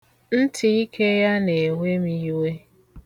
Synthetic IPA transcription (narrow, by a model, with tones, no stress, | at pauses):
n̩˦tʰi˨i˦kʰe˦ja˦ne˨we˦mi˦we˦